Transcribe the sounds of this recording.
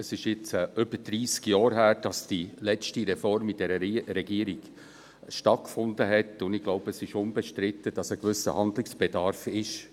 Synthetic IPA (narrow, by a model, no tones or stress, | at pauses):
əsɪʃjɪt͡sːʔʏbəd̥ɾiːskjɑːɾɦæːɾ̚d̥ɑsd̥ilɛt͡ʃtiɾɛfɔɾmid̥ɛɾəɾɛɡiːəɾiɡ̥ | ʃtɑt̚kfʊndəɦɛtʊndɪɡlɔʊbəsɪʃʊnbɛʃtɾɪt̪ːəd̥ɑsəkʋʏsə̰hɑndlɪksb̥ed̥ɑɾfɪʃ